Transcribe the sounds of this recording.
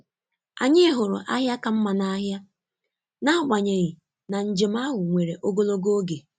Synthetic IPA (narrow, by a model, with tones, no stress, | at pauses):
a̰˨ɲɪ˦ɦʊ˨ɾʊ̰˨ʔa˦ɦja˦ka˨m̩˦ma˨na˦ɦja˦ | na˦ʊ˦˨ɡ͡ba˨ɲe˨ɣɪ˨ | na˨n̩˨d͡ʒɪ˨m˦a˦ɦʊ˨ŋʷe˨ɾe˨ʔo˦ɡo˦lo˦ɡo˦o˦ɡe˨